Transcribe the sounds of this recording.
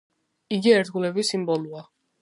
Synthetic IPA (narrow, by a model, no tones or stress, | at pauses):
iɡiɛɾt̪̚ʰɡulɛbisimbɔlua